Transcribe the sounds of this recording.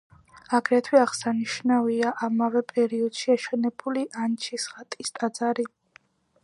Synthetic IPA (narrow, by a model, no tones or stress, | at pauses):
aɡɾɛt̪ʰwiaʁsaniʃnaviaʔamavɛpʼɛɾiɔd̪̥ʃiaʃɛnɛbuliʔant͡ʃʰisχat̪ʼist̪ʼad̪zaɾi